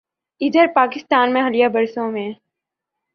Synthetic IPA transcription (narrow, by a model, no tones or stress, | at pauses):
ɪd̪əɾpaːkɪst̪aːnmẽɦɐlijabɐɾsõmẽ